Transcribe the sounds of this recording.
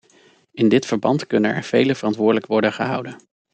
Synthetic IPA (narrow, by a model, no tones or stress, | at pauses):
ɪndɪtfəɹbɑntkɵnənɛ̰ɹv̥ejləv̥ərɑntʋʊːdələkʋɔɹdənχəɦʌ̰wdən